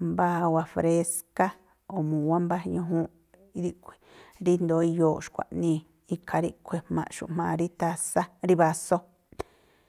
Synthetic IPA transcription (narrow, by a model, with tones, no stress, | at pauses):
mba˦ha˧wa˧fɾe˧ska˦ | o˨mũ˨wa˦mba˦˧ɲũ˧ɦũ˦ | i˦ði˦ʔkʷʰe̥˨ɾi˦nd̪o˨˦i˧joː˨ʃkʷa̰˨ʔnĩ˦˧ | i˧kʰa˧ɾi˦kʷʰe˨hmã̰˧ʔʃṵ˨ʔm̥ãː˧˨˧ɾi˦t̪a˧sa˦ɾi˦βa˧so˦